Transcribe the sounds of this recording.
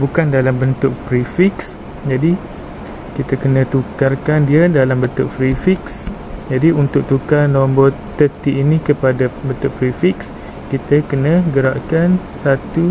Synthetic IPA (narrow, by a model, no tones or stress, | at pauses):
bukandalambənt̪ʊʔ̚pɾifiks | d͡ʒadi | kit̪akənə̃t̪ukarkandiədalambənt̪ʊʔ̚pɾifiks | d͡ʒadiunt̪ʊk̚t̪ukarnɔ̃mbɔr | t̪ət̪iːnĩkəpadabənt̪ʊʔ̚pɾifiks | kit̪əkənə̃ɡəɾaʔkansat̪u